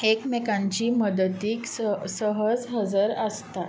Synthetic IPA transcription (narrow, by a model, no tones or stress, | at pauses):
ekmekãɲt͡ɕiːməd̪ət̪iːkssəɦəd͡zɦəd͡zəɾəst̪a